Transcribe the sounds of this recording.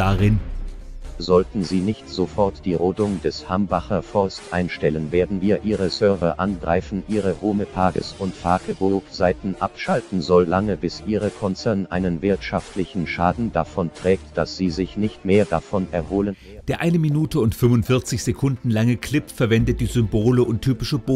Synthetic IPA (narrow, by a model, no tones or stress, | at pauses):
d̥aʁɪn | zɔltn̩ziːnɪçtz̥ofɔɐtd̥iːʁoːdʊŋdɛshambaχɐfɔɐstʔa̰ɪnʃtɛlənveːɐdn̩viːɐʔiːʁəsœɐvɐʔanɡʁa̰ɪfn̩ʔiːʁəhoːməpʰaɐɡə̰sʊntpʰaːɡəboz̥aɪtn̩ʔa̰pʃaltn̩zɔllaŋəbɪsʔiːʁəkʰɔnt͡sɛɐnʔaɪnənvɪɐtʃaftlɪçn̩ʃaːdn̩d̥afɔntʁ̥ɛːk̚td̥asz̥iːzɪçnɪçtmeːɐdafɔnɛɐhoːlən | d̥eːɐʔaɪnəminuːtəʊntfʏmʊntfɪɐt͡sɪçz̥ekʰʊndn̩laŋəkl̥ɪpfɛɐvɛndət̚d̥iːzʏmboːləʊnttʰːyːpɪʃəboː